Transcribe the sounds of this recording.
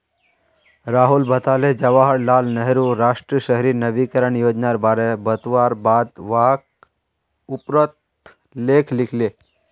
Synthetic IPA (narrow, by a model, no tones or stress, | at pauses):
ɾaɦulbʱət̪aled͡ʒəʋaɦəɽlalnəɦɾuɾaʂʈɾiɕəɦɾiːnəʋikəɾəɳjod͡ʒnaɾbaɾebət̪ʋaɾbad̪ʋak̚ | upɾət̪ | lekʰlikʰle